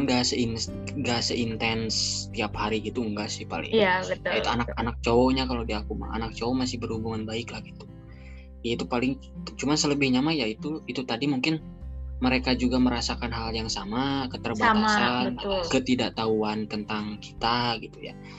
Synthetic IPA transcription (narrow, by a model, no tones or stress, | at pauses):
nɡasəin | ɡasəʔint̪ɛnst̪iaphaɾiɡit̪uuŋɡasɪhpa̰lɪ̰ŋjabət̪anakanak̚t͡ʃoɔɲakalowdiakuma̰a̰nak̚t͡ʃoɔmasɪhbərhubuŋanbaɪklahɡit̪u̥ | jait̪upalɪŋ | t͡ʃumansələbɪhɲamajait̪uit̪ut̪adimuŋkɪn | məɾekad͡ʒuɡaməɾasakanɦaljaŋsamakət̪ərbaasanakət̪idaʔt̪auant̪ənt̪aŋki̥t̪aɡit̪uja̰